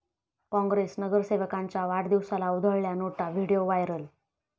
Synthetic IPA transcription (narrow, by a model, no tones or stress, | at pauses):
kɔ̃ŋɡɾesnəɡəɾseʋəkaɲt͡ɕjaʋaɽd̪iʋsalaud̪ʱəɭljanoʈaʋiɽijoʋajɾəl